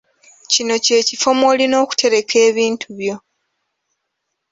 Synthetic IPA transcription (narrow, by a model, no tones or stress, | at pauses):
cino̞ce̞ːcifo̞mo̞lino̞ːku̥tʰe̞ɾe̞kʰe̞ːβiːntʰuβjo̞